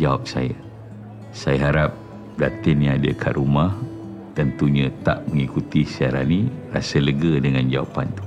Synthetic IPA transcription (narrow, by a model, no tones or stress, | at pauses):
d͡ʒawap̚saja | sajaɦaɾap̚ | dat̪ɪnjãadəkʰa̰ʔɾumah | t̪ənt̪uɲə̃t̪a̰ʔməŋikut̪isiaɾa̰nĩra̰sələɡədəŋand͡ʒawa̰pa̰nt̪u̥